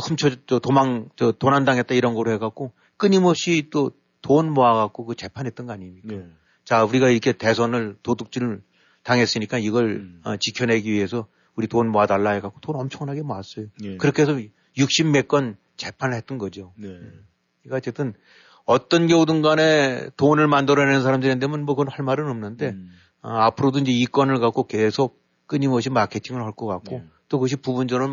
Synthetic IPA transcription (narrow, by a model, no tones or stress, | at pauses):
xɯmt͡ɕʰʌt͡ɕʌtomaŋt͡ɕʌtonandaŋɦe̞t̚t͈aiɾʌnɡʌɾoɦeɡak̚k͈o | k͈ɯɲimʌp̚ɕ͈it͈o | tonmoaɡak̚k͈okɯt͡ɕe̞pʰanɦet͈ɯnɡʌaɲimɲik͈a | t͡ɕauɾiɡaiɾʌkʰe̞te̞sʰʌnɯɭtoduk̚t͡ɕ͈iɾɯ | taŋɦe̞s͈ɯɲik͈aiɡʌɭʌt͡ɕikʰjʌne̞ɡiɥie̞sʰʌ | uɾitonmoadaɭːaeɡak͈o̥tonʌmt͡ɕʰʌŋnaɡe̞maas͈ʌjokɯɾʌkʰees̬ʰʌ | juk̚ɕ͈imːe̞k͈ʌn | t͡ɕe̞pʰanɯɭhet͈̚ʌnɡʌd͡ʑio | iɡaʌt͡ɕ͈ʰet͈ɯn | ʌt͈ʌnɡeodɯnɡane̞tonɯɭmandɯɾʌnenɯnsʰaɾamdɯɾiendemɯnmwʌkɯʌnhaɭmaɾɯnʌmnɯnde̞ | ʌapʰɯɾodoind͡ʑe̞ik͈ʌnɯɭkak͈oke̞sʰok̚ | k͈ɯɲimʌɕʰimakʰe̞tʰiŋɯɭhʌɭk͈ʌkakk͈ot͈okɯʌɕ̬ʰipubund͡ʑʌɾɯn